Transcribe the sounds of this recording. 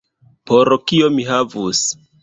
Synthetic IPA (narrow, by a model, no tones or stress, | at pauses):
poɾokio̞miɦavus